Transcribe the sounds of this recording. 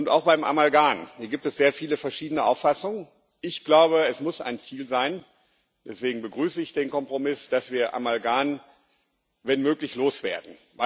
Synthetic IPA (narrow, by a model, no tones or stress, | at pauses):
ʔʊnta̰ʊxb̥aɪmʔa̰malɡaːnhiːɐɡiːp̚tɛsz̥eːɐfiːləfɛɐʃiːdənəʔa̰ʊfasʊŋən | ʔɪçɡ̥laʊbəɛsmʊsʔa̰ɪnt͡siːlzaɪn | d̥ɛsv̥eːɡŋ̩bəɡʁyːsəɪçd̥eːnkɔmpʁ̥omɪsd̥asv̥iːɐʔa̰malɡaːn | vɛnmøːklɪçloːsv̥ḛːɐdn̩ | va